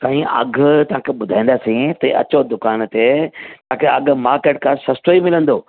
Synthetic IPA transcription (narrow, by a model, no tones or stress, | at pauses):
k̪aːɦĩɐ̰ɡʱt̪ɐʋ̤ãkʰeɓʊd̪ʱãːĩːnd̪aːsĩt̪ɐɐ̰t͡ɕod̪ʊkaːnt̪et̪ɐʋãkʰeɐɡ̆ʱmaːɾkeːʈ̚kʰãsɐst̪oimɪlə̃nd̪oː